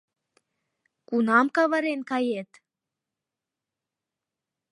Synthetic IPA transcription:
kunɑmkɑβɑɾenkɑjet̪

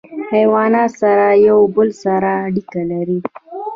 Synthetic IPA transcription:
hajwɑnɑsaɾajawbəlsaɾaːɽikalaɾi

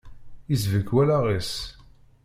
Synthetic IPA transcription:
izvəkːwælaʁis

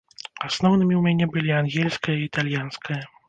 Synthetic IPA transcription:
asnɔwnɨmʲiwmʲanʲɛbɨlʲianɣʲɛlʲskɐjɐiːt̪alʲjanskʰɐjɐ

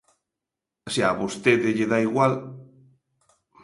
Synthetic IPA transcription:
aseaβost̪eðeʎeðaiɣwal

